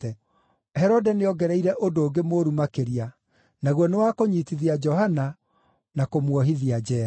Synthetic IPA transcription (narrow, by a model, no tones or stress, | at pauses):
ɛ | hɛɾɔdɛneɔɡɛɾɛiɾɛʔondoːɡemoɾumakeɾia | naɣwɔnewakoɲitiðiad͡ʒɔhana | nakomwɔɦiðiad͡ʒɛːɾa